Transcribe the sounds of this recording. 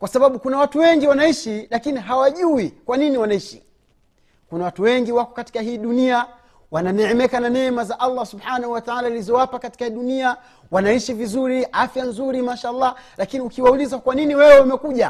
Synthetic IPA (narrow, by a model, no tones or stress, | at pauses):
kwasaɓaɓukunawatuwɛŋɡiwanaiʃilakiniɦawaʄuwikwaniniwanaiʃi | kunawatuwɛŋɡiwakɔkati̥kaɦiːɗunia | wananɛɛmɛkananɛmazaʔalːasuɓħanahuwataʕalailizɔwapakati̥kahiɗunia | wanaiʃivizuɾiʔafjanzuɾimaʃaːlˠˤːɑlakiniukiwaulizakwaniniwɛwɛumɛkuʄa